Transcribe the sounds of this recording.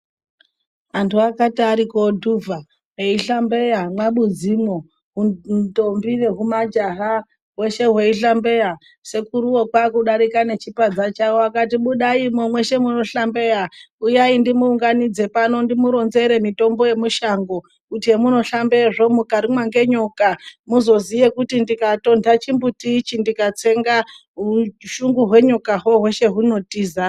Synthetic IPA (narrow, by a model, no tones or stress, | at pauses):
antʰuakatiaɾikodʱuvʱa | ɦeiɬambe̞jamwaɓud͡zimo | ɦuto̞mbine̞ɦumad͡ʒaɦa | we̞ʃe̞ɦwe̞iɬambe̞ja | se̞kuɾuokwakuɗaɾikane̞t͡ʃipad͡zat͡ʃawoakatiɓuɗaimomwe̞ʃe̞muno̞ɬambe̞ja | ujaindimuːŋɡanid͡ze̞pano̞ndimuɾo̞nze̞ɾe̞mito̞mbo̞je̞muʃaŋɡo̞ | utiemuno̞ɬambe̞ʐo̞mukaɾimwaŋɡe̞ɲokamuzo̞zijekutindikato̞ndʱat͡ʃimbutit͡ʃindikat͡seŋɡa | ɦuʃuŋɡuɦwe̞ɲukaɦoɦwe̞ʃe̞ɦuno̞tiːza